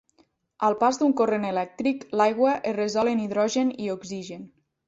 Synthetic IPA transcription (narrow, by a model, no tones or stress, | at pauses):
əlˠpazd̪uŋkorenelɛk̚t̪ɾiklajɣwəʔerezɔleniðɾɔʒenioɡziʒen